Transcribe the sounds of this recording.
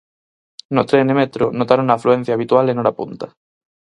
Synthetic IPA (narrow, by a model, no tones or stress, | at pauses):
not̪ɾenemet̪ɾonot̪aɾounaːfluen̟θjaːβit̪walenoɾapunt̪a